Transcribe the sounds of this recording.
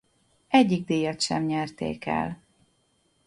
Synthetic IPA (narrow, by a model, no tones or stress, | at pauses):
ʔɛɟːiɡ̚d̪eːjɛt̪ʃɛmɲɛrt̪ḛːkɛ̰l